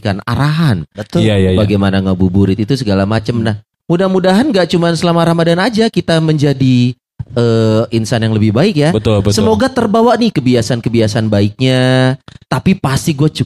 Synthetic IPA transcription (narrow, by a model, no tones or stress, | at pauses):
kana̰ɾaɦanbət̪jajabaɡajmanaŋabubuɾɪt̪it̪usəɡalamat͡ʃəmnah | mudamudaɦanɡaʔt͡ʃumansəlamaːɾahmadanad͡ʒakit̪aməɲd͡ʒadi | əinsanjaŋləbɪhbaɪk̚jabət̪bəsəmoɡat̪ərbawaʔnihkəbiasankəbiasanbaɪk̚ɲat̪apipast̪iɡuat͡ʃu